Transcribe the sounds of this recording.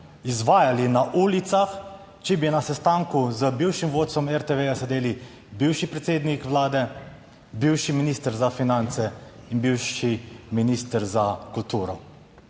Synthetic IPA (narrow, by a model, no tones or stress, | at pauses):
izʋaːjalinaʔuːlit̪sax | t͡ʃɛbinasɛst̪aːŋkuzəbiwʃimʋoːt̪̚sɔmɛɾt̪eʋejasɛd̪eːli | biwʃipɾɛt̪seːd̪nikʋlaːd̪ɛ | biwʃiminiːst̪əɾzafinant̪sɛinbiwʃiminist̪əɾzakult̪uːɾɔ